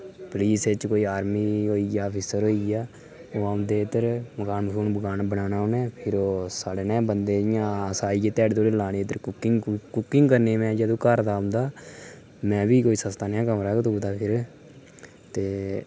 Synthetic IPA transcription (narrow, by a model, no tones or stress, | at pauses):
pəliːst͡ʃkoːiːaːɾmiːɦoːiːaːpʰiːsəɾɦoːiːaː | oːaʊ̃nd̪eːɪd̪əɾməkaːnməkʰuːnbəɡaːnːbənaːnaːonɛːpʰɪɾoːsaːɽeːneːbənd̪eːɪjãːsaːiːeːt̪ɛːɖt̪oːɽeːlaːneːd̪əɾkʊkɪŋkʊkɪŋɡkəɾneːmɛ̃ːd͡ʒəd̪õːkəɾd̪aːʊ̃nd̪aː | mɛ̃ːbiːkoːiːsəst̪aːnjãːkəmɾakt̪uːd̪aːpʰɪɾ | t̪eː